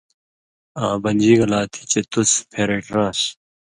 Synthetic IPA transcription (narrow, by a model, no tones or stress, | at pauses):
ãːbɐnd͡ʑiɡɐlaːt̪ʰi̥t͡ɕet̪uspʰeɾeʈɾãːɕ